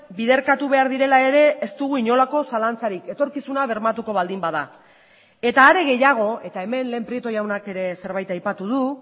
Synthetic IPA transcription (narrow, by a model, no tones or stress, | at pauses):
bið̞e̞ɾkat̪uβe̞aɾðiɾe̞lae̞ɾe̞ːst̪uɣuiɲo̞lako̞salant͡saɾike̞t̪o̞ɾkisunaβ̞e̞ɾmat̪uko̞β̞ald̪imbaða | e̞t̪aːɾe̞ɣe̞jaɣ̞o̞e̞t̪ae̞me̞nleːmpɾie̞t̪o̞jawnake̞ɾe̞se̞ɾβajt̪ajpat̪uð̞u